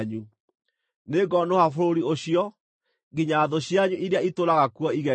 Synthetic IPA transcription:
ɲu | neɡɔnohafoɾoɾioɕiɔ | ɡiɲaːðoɕjaɲuʔiɾeaitoɾaɣakwɔiɣɛ

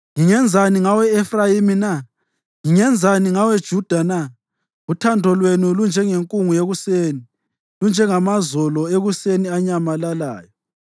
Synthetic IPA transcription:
ŋiŋɛnd͡zʱaniŋawɛːfrajimina | ŋiŋɛnd͡zʱaniŋawɛd̥ʒ̥ʱud̥ʱana | ɣutʰandʱɔlwenulund͡ʒʱɛŋeŋkʼuŋujeɣuseːni | lund͡ʒʱɛŋamazɔlɔeɣuseniaɲamalala̰ːjɔ

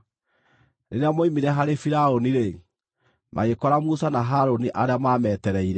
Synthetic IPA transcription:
neɾeamoimiɾɛɦaɾefiɾaoniɾe | ma̰ɣekɔɾamusanaɦaɾoniʔaɾeamaːmɛtɛɾɛiɾɛ

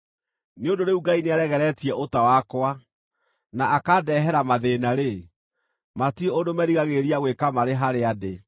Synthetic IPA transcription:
neodoɾeuɡaineaɾɛɣɛɾɛtiɛʔotawakwa | naakadɛɦɛɾamaðenaɾe | matieondomɛɾiɣaɣeɾiaɣwekamaɾeɦaɾeade

